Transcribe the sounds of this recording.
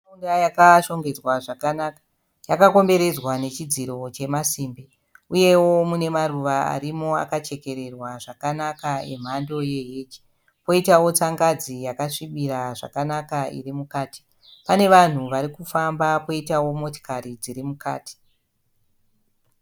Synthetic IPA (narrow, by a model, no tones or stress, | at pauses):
aundajakaʃo̞ŋɡe̞d͡zwaʐakːka | jakako̞mbe̞ɾe̞d͡zwane̞t͡ʃid͡ziɾo̞t͡ʃe̞masiːmbi | uje̞wo̞mune̞maruʋaa̰ɾimo̞a̰kat͡ʃe̞ke̞ɾe̞rwaʐakanakaḛm̤ando̞je̞ɦeːt͡ʃi̥ | po̞itawo̞t͡saŋɡad͡zijakaʂiɓiɾaʐa̰kanakaʔḭrimukaːti̥ | pane̞ʋan̤uʋaɾikufambapo̞itawo̞mo̞ti̥kaɾid͡ziɾimuka̰ːti̥